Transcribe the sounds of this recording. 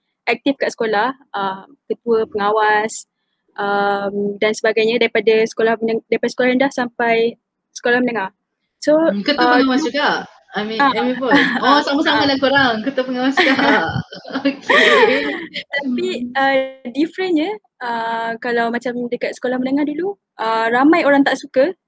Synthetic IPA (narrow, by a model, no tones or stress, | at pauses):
ʔɛk̚t̪ifkaʔsə̥kolahʔəmkət̪uəpəŋawas | ʔəmdansəbaɡajɲə̃daɾipadasə̥kolahməndaɾipadasəkolahəndahsampaj | sə̥kolahmənəŋa | sokət̪uəpəŋawaska | amĩaamĩpɔɔsamasamalakoɾaŋkət̪əpəŋawaska | okʰe | t̪apiədifɾənɲə | əkalawmat͡ʃamdəkat̪sə̥kolahmənəŋadulu | ʔəramãjoɾaŋt̪aʔsukə